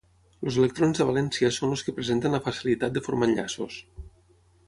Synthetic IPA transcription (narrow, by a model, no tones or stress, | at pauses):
lozelek̚t̪ɾonzðəβ̞alɛnsiəsonloskəpɾezent̪ənləfasilit̪at̪̚d̪əfoɾmanʎa̰so̰s